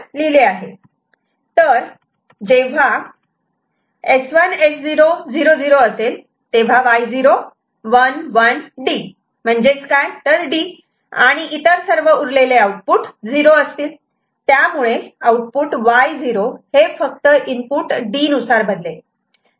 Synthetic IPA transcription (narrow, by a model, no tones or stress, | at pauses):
lileaɦe | t̪əɾ | d͡ʑeʋ̤a | esʋənesd͡ziɾod͡ziɾod͡ziɾoəsel | t̪eʋ̤aʋajd͡ziɾo | ʋənʋənɖi | m̤əɳd͡ʑet͡skajt̪əɾɖi | a̰ɽ̃iʔit̪əɾsəɾʋəuɾleleauʈ̚puʈd͡ziɾoəst̪iːl | t̪jamuɭeauʈ̚puʈʋajd͡ziɾohefək̚t̪əʔimpuʈɖiːnusaɾbəd̪le